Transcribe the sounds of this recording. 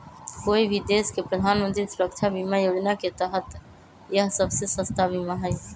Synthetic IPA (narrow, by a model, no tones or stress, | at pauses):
koibʱid̪eskepɾəd̪ʱanmə̃nt̪ɾisuɾəkt͡ʃʰabimajod͡ʒnaket̪əɦət̪ | jəɦsəbsesə̃st̪abʱimaɦəj